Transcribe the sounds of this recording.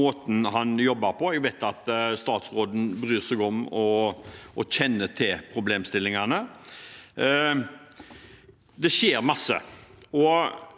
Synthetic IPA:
oːt̪n̩ɦɑnjɔbːɑɾpʰɔɛɡʋɛɪt̪ɑt̪st̪ɑːt̪sʁoːd̪n̩bɾyːsɛɡɔmɔʔɔçɛnːət̪ʰɪlpʰɾʊbleːmst̪ɪlːɪŋɑnə | d̪ɛɕeːɾmɑsːə̰ɔ

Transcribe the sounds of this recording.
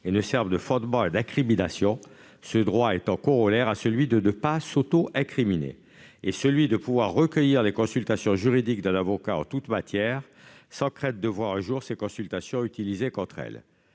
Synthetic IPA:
enəsɛʁvd̪əfɔ̃d̪mɑ̃ed̪ɛ̃kχiminasjɔ̃ | səd̪ʁwaet̪ɑ̃kɔ̃ʁɔlɛʁasəlɥid̪ənəpasot̪oʔɛ̃kχiminḛ | esəlɥid̪əpuvwaʁːəkʲəjiʁlekɔ̃sylt̪asjɔ̃ʒyʁid̪ikd̪ɛ̃navɔkaɑ̰̃t̪ut̪mat̪jɛʁ | sɑ̃kχɛ̃d̪̚d̪əvwaʁɛ̃ʒuʁsekɔ̃sylt̪asjɔ̃yt̪ilizekɔ̃t̪χɛ̰l

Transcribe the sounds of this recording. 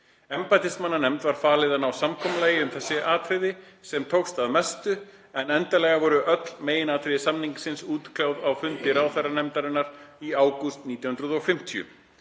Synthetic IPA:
ɛmpajt̪ɪsmanːanɛmt̪vaɾ̥faːlɪðanawsamkʰɔmlaːjɪʏmθɛsːɪʔaːt̪ʰɾɪðɪ | sɛmt̪ʰowxst̪aðmɛst̪ʏ | ɛnɛnt̪alɛɣavɔɾʏʔœt̪l̥meːjɪnaːt̪ʰɾɪðsamniŋksɪnsuːt̪kʰlawðawfʏnt̪ɪɾawθɛranɛmt̪aɾɪnːaɾ̥iaːwkʏst̪niːt̪jawhʏnɾʏðɔfɪm̥t̪ʰijʏ̰

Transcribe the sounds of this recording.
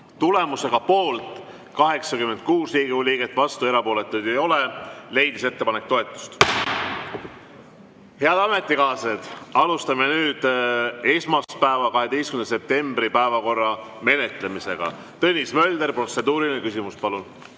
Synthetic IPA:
t̪ule̞muse̞ɡ̥ɑpo̞ːlt̪ˑ | kɑɦe̞ksɑkyme̞nt̪̚kuːsriːɡiuliːɡet̪ːˑvɑst̪ue̞ɾɑpo̞ːle̞t̪ːˑujd̪ejo̞le̞le̞jd̪̥ise̞t̪ːe̞pɑnek̚t̪o̞e̞t̪ˑːu̥st̪ | he̞ɑd̪ɑme̞t̪ːˑikɑːsed̪̥ɑlust̪ɑmenyːd̪̥e̞smɑspæevɑkɑɦe̞d̪ejskynd̪ese̞p̚t̪e̞mbɾipæevɑko̞rːɑme̞ne̞t̪ˑle̞mise̞ɡ̥ɑ̰ | t̪ɤnʲismø̞lʲd̪erpro̞t̪se̞d̪uːɾinekysimuspɑlun

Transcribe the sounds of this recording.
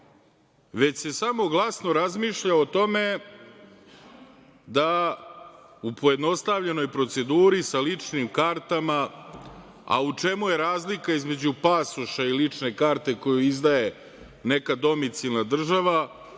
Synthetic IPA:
ʋe̞t͡ɕse̞samo̞ɡlˠasno̞ɾazmiːʃʎaot̪o̞me̞ | d̪a | upo̞je̞d̪no̞st̪aʋʎe̞no̞jpɾo̞t̪se̞d̪uːɾisalit͡ʂnimkaɾt̪ama | a̰ut͡ʂe̞muje̞ɾaːzlikaizme̞d͡ʑupasuʃailit͡ʂne̞kaːɾt̪e̞ko̞juizd̪aje̞ | ne̞kad̪o̞mit̪silˠnad̪r̩ʒaʋa

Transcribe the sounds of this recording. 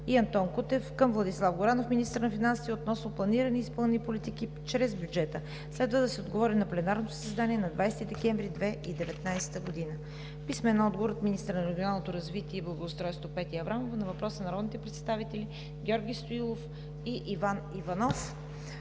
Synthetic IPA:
iɐnt̪ɔnkut̪ɛfkəmvlˠɐd̪islˠafɡoɾanofminist̪əɾnɐfinansit̪ɛot̪nɔsnoplˠɐniɾəniispɤlˠnɛnʲipolit̪iki | t͡ʃɾɛzbjud͡ʒɛt̪ə | slɛd̪vəd̪ɐsɛod̪ɡovɔɾinɐplɛnaɾnot̪o̥səzd̪aniɛnɐd̪vajsɛ̥t̪id̪ɛkʲɛɱvɾid̪vɛid̪ɛvɛt̪najsɛ̥t̪əɡod̪inə | pismɛnɔd̪̚ɡovoɾot̪minist̪əɾnɐɾɛɡʲionalˠnot̪oɾɐzvit̪iɛiblˠɐɡoːst̪ɾɔjst̪vopɛt̪ʲiɐvɾamovnɐvɐpɾɔsənɐɾɔd̪nit̪ɛpɾɛt̪st̪avit̪ɛli | ɡʲɔɾɡʲist̪oilˠof | iʔivanivɐnɔf

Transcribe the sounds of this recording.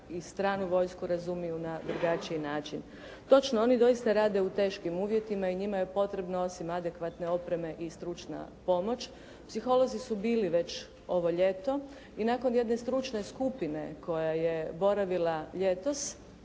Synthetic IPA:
ist̪ɾaːnuʋo̞jskuɾazumijunad̪ɾuɡat͡ʃiinaːt͡ʃin | t̪o̞t͡ʃnoo̞nid̪o̞ist̪aɾaːd̪e̞ut̪e̞ːʃkimuːʋje̞t̪imaiɲimajepo̞t̪ɾe̞bnoo̞simad̪e̞kʋat̪ne̞o̞pɾe̞me̞ʔist̪ɾut͡ʃna̰po̞mo̞t͡ʃ | psixo̞lo̞zisubiːliʋe̞t͡ʃ | o̞ʋo̞ʎe̞t̪o̞ | inaːko̞nje̞d̪ne̞st̪ɾut͡ʃne̞skupine̞kʰo̞jaje̞bo̞ɾaʋilaʎe̞t̪o̞s

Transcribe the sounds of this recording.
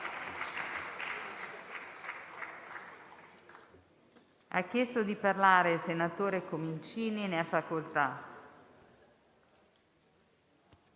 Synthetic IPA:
a̰k̟ːjest̪od̪iparlaːɾeilsenat̪oːɾekomeint͡ʃiːnineafːakolt̪a

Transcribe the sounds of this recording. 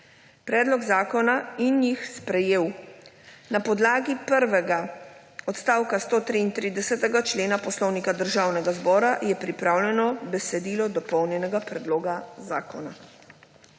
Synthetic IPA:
pɾɛːd̪lɔɡzaːkɔnainjixspɾɛjeːw | napɔd̪laːɡipəɾʋɛɡa | ɔt̪st̪aːwkast̪oːt̪ɾiːnt̪ɾid̪ɛsɛt̪ɛɡat͡ʃleːnapɔslɔwnikad̪əɾʒaːwnɛɡazbɔːɾajɛpɾipɾaːwlɛnɔbɛsɛd̪iːlɔd̪ɔpɔwnjɛnɛɡapɾɛd̪loːɡazaːkɔna

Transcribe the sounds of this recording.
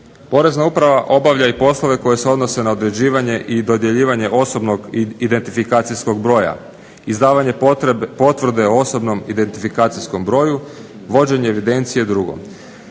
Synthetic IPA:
po̞ɾe̞znaupɾaʋaʔo̞baʋʎaipo̞slˠo̞ʋe̞ko̞je̞seo̞d̪no̞se̞naod̪ɾe̞d͡ʑiːʋaɲe̞ʔid̪o̞d̪je̞ʎiːʋaɲe̞ʔo̞so̞bno̞ɡid̪e̞nt̪ifikaːt̪sisko̞ɡ̚bɾo̞ːja̰ | izd̪aːʋaɲe̞po̞t̪ʋr̩d̪e̞oo̞so̞bno̞mid̪e̞nt̪ifikaːt̪sisko̞mbɾo̞ːju | ʋo̞d͡ʑe̞ɲeːʋid̪e̞nt̪sije̞d̪ɾuɡo̰m

